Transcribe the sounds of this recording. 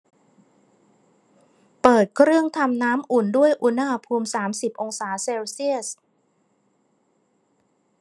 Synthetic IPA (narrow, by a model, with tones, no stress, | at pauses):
pɤː˨˩t̪̚kʰɾɯ˥˩əŋt̪ʰa˧mnaː˦˥mʔu˨˩ndu˥˩əjʔu˧˥naː˥˧˩pʰuː˧msaː˩˦msi˨˩p̚ʔo˧ŋsaː˩˦seː˧wsi˥˩əs